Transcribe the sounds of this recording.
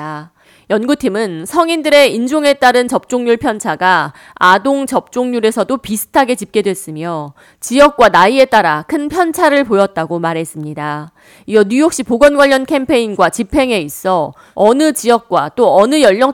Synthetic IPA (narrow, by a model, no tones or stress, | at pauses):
jʌnɡutʰimɯnsʰʌŋindɯɾe̞ind͡ʑoŋe̞t͈aɾɯnt͡ɕʌp̚t͡ɕ͈oŋɲuɭpʰjʌnt͡ɕʰaɡa | adoŋt͡ɕʌp̚t͡ɕ͈oŋɲuɾe̞sʰʌdopisʰɯ̥tʰaɡe̞t͡ɕip̚k͈e̞dwe̞s͈ɯmjʌ | t͡ɕijʌk̚k͈wanaie̞t͈aɾakʰɯnpʰjʌnt͡ɕʰaɾɯɭpojʌt̚t͈aɡomaɾɦe̞s͈ɯmɲida | iʌɲujok̚ɕ͈ipoɡʌnɡwaʎːʌnkʰe̞mpʰe̞inɡwat͡ɕipʰe̞ŋe̞is͈ʌ | ʌnɯt͡ɕijʌk̚k͈wat͈oʌnɯjʌʎːʌ